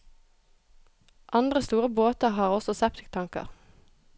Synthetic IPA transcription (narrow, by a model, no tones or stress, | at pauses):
ʔɑnd̪ʁəst̪uːʁəboːt̪əʁɦɑːʁɔsɔsɛpt̪ɪkt̪ʰɑŋkə̰ʁ